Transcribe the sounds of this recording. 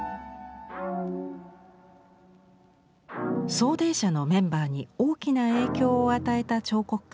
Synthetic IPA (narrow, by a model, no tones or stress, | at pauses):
so̞ːd̪ẽ̞ɰɕano̞mẽ̞mbaːɲ̟io̞ːkʲinae̞ːkʲo̞ːat̪ae̞t̪at͡ɕo̞ːko̞kɯ̥ka